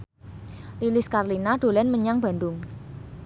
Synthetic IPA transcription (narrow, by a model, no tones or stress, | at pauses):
lilɪskarlinaɖ̪̥o̤lɛnməɲaŋb̥a̤nd̪ʊŋ